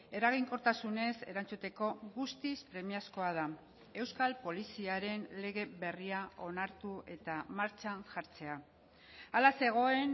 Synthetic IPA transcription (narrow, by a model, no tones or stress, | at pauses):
e̞ɾaɣ̞iŋko̞t̪asune̞se̞ɾant͡sut̪e̞ko̞ɣust̪ispɾe̞miasko̞að̞a | e̞wskalpo̞lisiaɾe̞nle̞ɣ̞e̞βe̞riao̞naɾt̪ue̞t̪amaɾt͡ʃanʝaɾt͡se̞a | alase̞ɣ̞o̞e̞n